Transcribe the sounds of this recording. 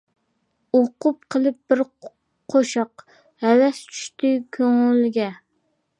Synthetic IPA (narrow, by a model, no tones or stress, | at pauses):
oqʊp̚qʰəlˠɨp̚b̥ɪɾ | qʰoʃɑq | hælɛst͡ʃʰy̥ʃt̪ɪkʲʰøŋylɡʲɛ